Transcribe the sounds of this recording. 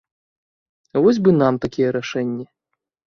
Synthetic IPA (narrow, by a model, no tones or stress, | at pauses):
vɔzʲbɨnamt̪akʲijɛɾaʂɛnʲːɛ